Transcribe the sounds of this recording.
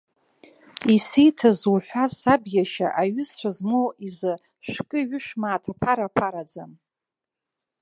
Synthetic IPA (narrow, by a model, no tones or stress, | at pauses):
isijtʰazwuħᶣʷazabjaʃa̰ʔaɥʏst͡ɕʷʰazmowizɨ | ʃʷᶣkʼɨɥʏʃᶣmaːtʰapʰaɾapʰaɾad͡zam